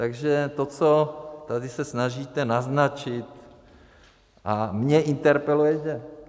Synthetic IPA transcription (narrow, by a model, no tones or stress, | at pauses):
t̪aɡʒɛt̪ot͡sot̪adɪsɛsnaʒiːt̪ɛnaznat͡ʃɪt̪ | ʔamɲɛʔint̪ɛɾpɛlujɛcɛ